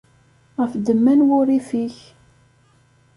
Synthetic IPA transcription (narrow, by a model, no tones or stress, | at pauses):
ʁəfd̪əmːænwʊɾifiç